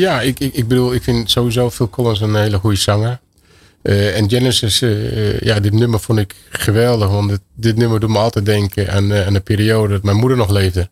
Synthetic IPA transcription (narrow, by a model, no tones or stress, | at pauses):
jaɪkɪɡ̚bəduəlˠɪkfɪnsoːizoːfɪlˠkʰolˠənsənheːlˠəxujəsaŋə | əɛnd͡ʒɛnəsəsjadɪtnøməfonɪk | xəʋɛlˠdəxʋɔntddɪtnømədutməɔlˠtɛt̚dɛŋkʰəʔɛ̰nanəpiːɾioːdədɔtmɛjnmudərnɔxleːvdə